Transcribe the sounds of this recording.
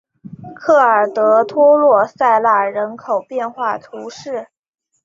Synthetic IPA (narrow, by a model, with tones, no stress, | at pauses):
kʰɤ˥˩ə˞˨˩t̪ɤ˧˥t̪ʰwɔ˥lwɔ˥˧sa˥˧ɪla˥˩ɻə˧˥nkʰo˨˩ʊpjɛ˥˧nxwa˥˩t̪ʰu˧˥ʂɻ̩˥˩